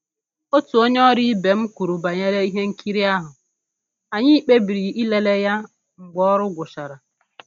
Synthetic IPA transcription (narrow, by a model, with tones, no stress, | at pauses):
o˦tu˨o˦ɲe˦ɔ˦ɾi˦be˨m̩˦ku˨ɾu˨ba˨ɲe˦ɾe˦i˦ɦe˦ŋ̩˦ki˦ɾi˦a˦ɦʊ˨ | a˨ɲɪ˦i˦k͡pe˦bi˨ɾi˨i˦le˦le˦ja˦ | ŋ͡m̩˨ɡ͡bɔ˦ɔ˦ɾʊ˦ɡʷʊ˨ʃa˨ɾa˨